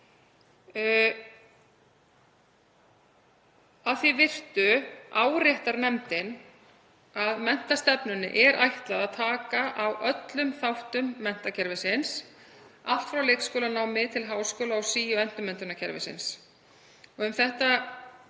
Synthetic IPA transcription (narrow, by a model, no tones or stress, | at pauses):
aðθivɪr̥t̪ʏaːwɾjɛht̪aɾnɛmt̪ɪn | aðmɛn̥t̪ast̪ɛpnʏnɪ̰ʔɛɾajht̪laðaðt̪ʰaːkaʔawʔœt̪lʏmθawht̪ʏmːɛn̥t̪acʰɛɾvɪsɪns | al̥t̪fɾawlejkskoːwlanaːwmɪðt̪ʰɪlɦaːwskoːwlaawsiːjʏɛn̥t̪ʏmɛnt̪ʏnacʰɛɾvɪ̰sɪ̰ns | ɔɣʏmθɛht̪a